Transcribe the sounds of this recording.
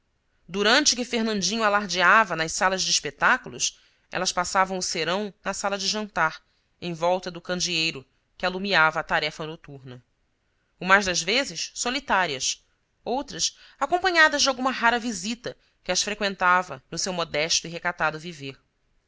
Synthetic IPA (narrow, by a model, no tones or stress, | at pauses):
d̪uɾɐ̃nt͡ʃɪkɪfeɦnɐ̃nd͡ʒĩɲʊalaɾd͡ʒiavɐnɐʃsalɐzd͡ʒɪːʃpet̪akulʊ̰s | ɛ̰lɐspasavɐ̃w̃ʊseɾɐ̃w̃nɐsalɐd͡ʒɪʒɐ̃nt̪aɾ | ẽj̃vɔwt̪ɐd̪ʊkɐ̃nd͡ʒiejɾʊ | kɪalumiavɐːt̪aɾɛfɐnot̪uɾnɐ | ũmɐzd̪ɐzvezɪssolit̪aɾiɐs | owt̪ɾɐsakõmpɐ̃ɲad̪ɐzd͡ʒɪawɡũmɐɦaɾɐvizit̪ɐ | kɪɐsfɾekwẽnt̪avɐnʊsewmod̪ɛʃt̪ʊiɦekat̪ad̪ʊviveɾ